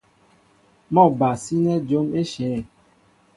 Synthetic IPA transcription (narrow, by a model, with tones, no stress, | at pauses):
mɔ̃˦˨ba˨si˦nɛ˦d͡ʒo˦me˦ʃɛ˨˦˨